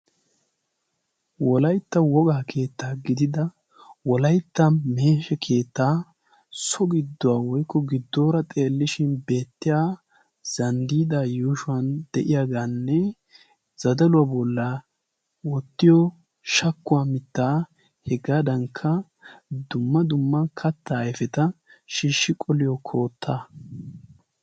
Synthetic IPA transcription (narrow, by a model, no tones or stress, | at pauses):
wɔlɐjt̪ːɐwɔɡaːkʰe̞ːt̪ːaːɡɪd̪ɪd̪ɐ | wɔlɐjt̪ːɐme̞ːʃɛkʰe̞ːt̪ːaː | sɔɡɪd̪ːɔwaːwɔjkːɔɡɪd̪ːoːɾɐt̪ʼe̞ːlːɪʃɪnbe̞ːt̪ːɪjaː | z̥ɐnd̪iːd̪aːjuːʃʊɐnd̪̥ɛʔɪjaɡaːnːɛ | z̥ɐd̪ɐlʊwabɔlːa | wɔt̪ːɪjɔ | ʃɐkːʊwaːmɪt̪ːaː | hɛɡaːd̪ɐŋkʰːɐ | d̪ʊmːɐd̪ʊmːɐnkʰɐt̪ːɐːjfɛt̪ɐʃiːʃːɪkʼɔlɪjɔkʰo̞ːt̪ʰːaː